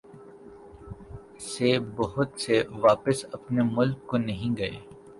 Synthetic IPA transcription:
sebɐɦʊt̪seʋaːpəsɐpnemʊlkːonɐɦĩɡɐḛː

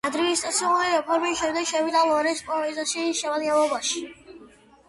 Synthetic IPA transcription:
ad̪ɾiist̪ʼat̪sʰiuuliɾɛpʰɔɾmiʃɛmd̪ɛkʃɛvid̪alˠɔɾɛspʼɔɛzaʃiʃɛvalialɔbaʃi̥

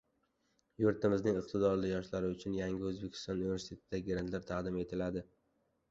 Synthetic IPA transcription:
jʊɾt̪ɪmɪznɪŋɪqt̪ʰɪd̪ɒɾlɪjɒʃlaɾɪʊt͡ʃʰʊnjaŋʲɪɵzbe̞kʲʰɪ̥st̪ɒnunive̞sɪt̪ʰe̞t̪ɪd̪aɡʲɪɡɾant̪ʰlaɾt̪ʰɑqd̪ɪme̞t̪ʰɪlad̪ɪ

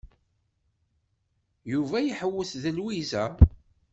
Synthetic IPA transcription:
juvæjəħəwːəθðəlwizæ

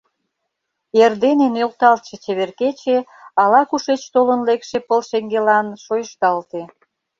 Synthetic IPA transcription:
erd̪enenølt̪ɑlt̪̚ʃet͡ɕeβerket͡ɕeɑlɑkuʃet͡ɕt̪olənlekʃepəlʃeŋɡelɑnʃojəʃt̪ɑlt̪e

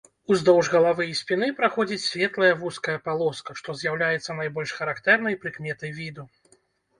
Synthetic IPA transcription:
uzd̪ɔwʐɣɐlˠavɨjisʲpʲinɨpɾaxɔd͡zʲit͡sʲsʲvʲɛt̪lˠɐjɐvuskɐjɐpalˠɔskɐʂt̪ɔzʲjawlʲajɛt̪sːɐnajbɔlʲʂxɐɾakt̪ɛrnɐjpɾɨkmʲɛt̪ɐjvʲid̪u

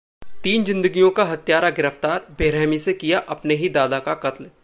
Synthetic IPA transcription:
t̪iːnzɪ̃nd̪əɡijõkaɦɐt̪jaːɾaɡɪɾəft̪aːɾbeːɾɛːmisekijaʔɐpneɦid̪aːd̪akaqɐt̪l

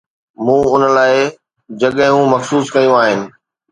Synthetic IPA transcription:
mũːʊnəlaːɪ | d͡ʑɐɠɪ̃ɦũmɐxsuːskɐjũaːɦɪnɪ̆

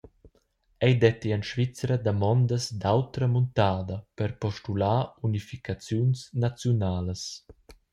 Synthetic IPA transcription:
ɛjd̪ɛt̪ianʃvit͡sɾəd̪amɔnd̪əsd̪awt̪ɾəmunt̪aːd̪əpəɾpɔʃtulaːunifikat͡sjunsnat͡sjunaːləs

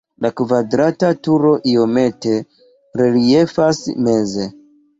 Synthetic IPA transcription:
lakvadɾatatuɾo̞ʔiome̞te̞ | ɾelie̞fasme̞ze̞

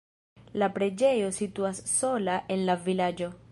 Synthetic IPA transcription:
lapɾe̞d͡ʒe̞jo̞situasːo̞laʔe̞nlavilad͡ʒo̞

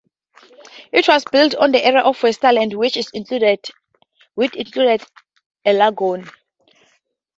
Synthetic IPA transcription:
itʰwɔzbiltʰɔ̃ndiʔɛɹiaʔɔfwɛstalɛ̃ndwit͡ʃizĩŋkʰludɛd | witĩŋkʰludɛd | ɛlaɡɔ̃n

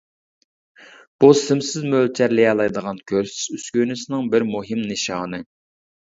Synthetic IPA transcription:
b̥usɪmsɪzmølt͡ʃʰæɾlɪjɑlˠɑjd̪əʁɑnkʲʰøɾsɪ̥zyskʲynysɪnɪŋbɪɾmuɦɪmnɨʃɑːnɨ

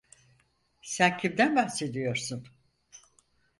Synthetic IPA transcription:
sæncʰimd̪ænbahse̞d̪ijo̞ɾsun

